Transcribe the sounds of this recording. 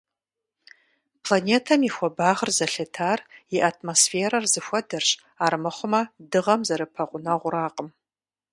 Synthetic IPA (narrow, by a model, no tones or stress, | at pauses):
pʰlaneːtʰɐmixʷɔbaːʁərzɐɬɐtʰaːriʔatʰmosfeːɾɐrzɨxʷɔdɐrɕʼ | aːrmɨχʷʊmɐdɨʁɐmzɐɾɨpʰɐqʷʼʊnɐʁʷʊɾaːqʼəm